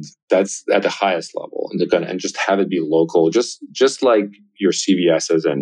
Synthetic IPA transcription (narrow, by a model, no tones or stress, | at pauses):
ðætsɨt̪̚ðəhaɪɨstˡlɛ̰vl̩ˠə̰̃n̩ðɨɡʌnɨ̰̃nd͡ʒʌst̚hɨvɨt̚b̥iloʊkʰl̩ˠd͡ʒʌsd̥ʒ̥ʌstˡlaɪk | jə˞siviɛsɨzɨ̃n